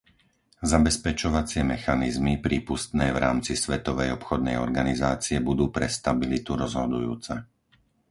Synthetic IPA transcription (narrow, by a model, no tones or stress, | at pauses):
zabɛspɛt͡ʃɔʋat͡sɪɛmɛxanizmipɾiːpust̪nɛːvɾa̰ːmt͡sisʋɛt̪ɔʋɛjɔpxɔd̪nɛjɔ̰ɾɡanizaːt͡siɛbud̪uːpɾɛst̪abilit̪uɾɔzɦɔd̪ujṵːt͡sɛ